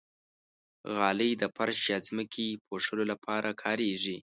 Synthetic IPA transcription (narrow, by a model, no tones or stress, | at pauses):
ɣɑləjd̪əpaɾʃjɑzməkʰipʰoʂəlolapʰɑɾʔakʰɑɾeʐi